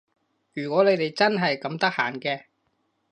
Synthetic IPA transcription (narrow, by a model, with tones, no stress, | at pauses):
jyː˨˩kʷɔː˨˥le˨˧jt̪e˨jt͡sɐ˥nɦɐ˨jkɐ˨˥mt̪ɐ˥k̚haː˨˩nkɛː˧